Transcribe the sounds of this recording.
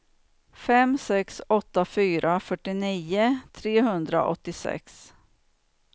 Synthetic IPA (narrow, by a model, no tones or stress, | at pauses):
fɛmsɛksɔt̪ːafyːɾʔafœʈːɪniːət̪ʰɾeːɦɵnd̪ɾa̰ʔɔ̰t̪ːɪsɛ̰ks